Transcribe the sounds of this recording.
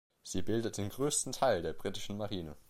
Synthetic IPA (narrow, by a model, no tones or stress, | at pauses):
z̥iːbɪldət̚d̥eːnɡʁøːstn̩tʰaɪldeːɐbʁitɪʃn̩maʁiːnə̰